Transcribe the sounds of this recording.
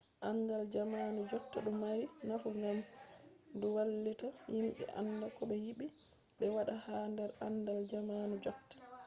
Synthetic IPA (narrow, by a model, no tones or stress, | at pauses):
ʔanːdald͡ʒamanud͡ʒɔtːaɗumːaɾinafuŋɡam | duwalːitajimɓɛ̰ʔa̰nːdakɔɓɛjiɓi | ɓɛwaɗahaːndɛɾandald͡ʒamanud͡ʒɔtːḁ